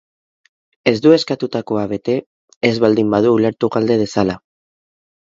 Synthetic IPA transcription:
e̞zd̪ue̞skat̪ut̪ako̞aβe̞t̪e̞ː | zβald̪imbað̞uːle̞ɾt̪uɣald̪e̞ð̞e̞sala

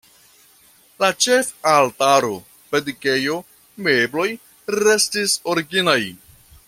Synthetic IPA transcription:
lat͡ʃe̞faltaɾo̞̰ | pedike̞jo̞ | me̞blo̞j | ɾe̞stiso̞ɾiɡinaj

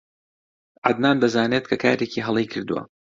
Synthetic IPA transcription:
ʔad̪naːnd̪ɐzaːneːt̪̚kʰɐkʰaːɾeːcʰiːɦɐlˠijkʰɨɾd̪uwɐ̰

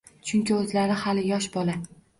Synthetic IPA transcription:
t͡ʃʰʊŋkʲɪɵzlaɾɪhalɪjɒʃbɒla

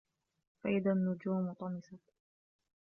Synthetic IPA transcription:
faʔɪðanːʊd͡ʒuːmt̪ˤɑmɪsɑ

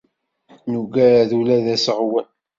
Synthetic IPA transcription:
nuɡæɾæðulæðæsəʁwæn

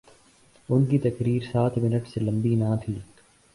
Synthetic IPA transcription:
ʊnkit̪ɐkɾiːɾsaːt̪ʰmɪnəʈselɐ̃mbinãːt̪ʰiː

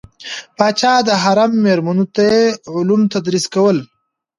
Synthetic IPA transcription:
pɑːt͡ʃaːd̪əɦaɾamːeɾmanut̪ajeʊlumt̪ad̪ɾiskawəl

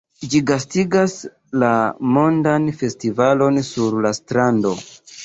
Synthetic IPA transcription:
d͡ʒiɡastiɡas | lamo̞ndanfe̞stivalo̞nsuɾlastɾando̞

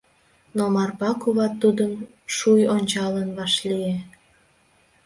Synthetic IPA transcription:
nomɑrpɑkuβɑt̪ːud̪əm | ʃujonʲt͡ɕɑlənβɑʃlie

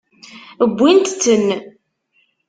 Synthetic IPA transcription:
əbʷːint̪t͡sːənː

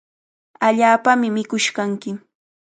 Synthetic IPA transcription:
aʎaːpamɪmɪkʊʃkaŋkɪ

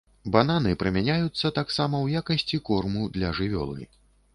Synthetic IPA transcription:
ban̪an̪ɨpɾɨmʲanʲajut̪sːɐt̪aksamɐwjakɐsʲt͡sʲikɔrmud̪lʲɐʐɨvʲɔ̰lˠɨ̰

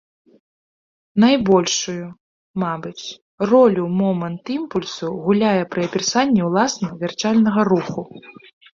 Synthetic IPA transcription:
najbɔlʲʂuju | mabɨt͡sʲ | rɔlʲumɔmɐnt̪impulʲsuɣulʲajɛpɾɨɐpʲɛrsanʲːɛwlˠasnɐvʲɛrt͡ʂalʲnɐɣɐɾuxu

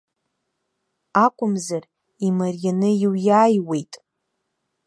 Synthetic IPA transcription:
akʷʼʊmzar | imarjanɨiwjaːjwe̞jtʼ

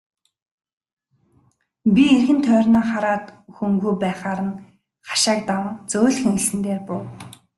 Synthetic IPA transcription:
pʲierɣɘ̆nt̪ʰœːrʲnaːχaɾaːt̪xɵŋɡujpæːχaːɾə̆n | χḁʃaːk̚t̪aŋt͡soːɮxeŋɡɘ̆ɮsɘ̆nt̪eːrpʊw

